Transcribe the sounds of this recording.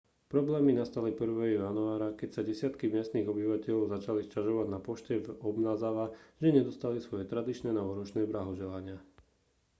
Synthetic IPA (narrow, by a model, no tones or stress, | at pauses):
pɾɔblɛːminast̪alipr̩ʋɛːɦɔjanuaːɾakɛcsaɟɛsɪat̪kimɪɛst̪niːɣɔbiʋacɛʎɔʊzat͡ʃaliscaʒɔʋaɟnapɔʃcɛvɔbnaːzaʋaʒɛɲɛd̪ɔst̪alisʋɔjɛt̪ɾad̪it͡ʃnɛːnaɔɾɔt͡ʃnɛːblaɦɔʒɛlaɲɪa